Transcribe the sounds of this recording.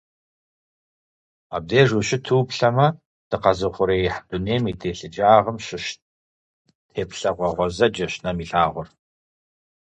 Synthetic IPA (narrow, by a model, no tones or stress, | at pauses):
a̰b̚deːʒuɕɪtʰuːpɬɐmɐ | d̥ɨqɐzɨχʷʊɾeːjɪħdʊneːmiːtʰeːɬɨd͡ʒaːʁəmɕɪʃ | tʰeːpɬɐʁʷɔʁʷɔzɐd͡ʒɐɕnɐmiːɬaːʁʷʊr